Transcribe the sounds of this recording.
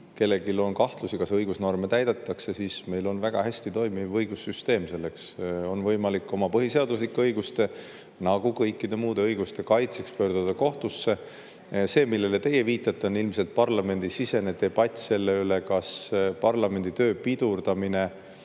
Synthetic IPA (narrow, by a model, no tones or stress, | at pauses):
ke̞lːe̞ɡilo̞nkɑht̪lusikɑsɤjɡ̥usno̞rme̞t̪æjd̪̥et̪ˑːɑkse̞siːsme̞jlo̞nvæɡ̥ɑ̰ɦæst̪it̪o̞jmivɤjɡusːyst̪e̞ːmse̞lːe̞kso̞nvɤjmɑlikːˑo̞mɑpɤɦise̞ɑd̪us̬likːˑɑɤjɡust̪e̞ | nɑɡ̥ukɤjkːid̪e̞muːd̪̥e̞ɤjɡ̥ust̪e̞kɑjt̪sekspø̞ːrd̪̥ud̪ɑko̞ht̪usːe̞ | se̞ːmilːe̞le̞t̪e̞jːeviːt̪ːˑɑt̪ːˑeonilmse̞lt̪̚pɑrlɑme̞nd̪̥isise̞ned̪̥e̞b̥ɑt̪ʲːˑse̞lːeyle̞kɑspɑrlɑme̞nd̪it̪øːpid̪̥urd̪ɑmine̞